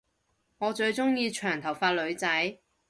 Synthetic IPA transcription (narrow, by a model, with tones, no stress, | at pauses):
ŋɔː˨˧t͡ʃɵ˧ɥt͡sʊ˥ŋjiː˧t͡ʃʰœː˨˩ŋt̪ʰɐ˨˩wfaː˧t̚lɵ˨˧ɥt͡sɐ˨˥j